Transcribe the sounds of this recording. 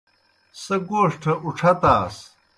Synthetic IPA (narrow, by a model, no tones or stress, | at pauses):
sɐɡoːʂʈʰɐʔuʈ͡ʂʰɐt̪aːs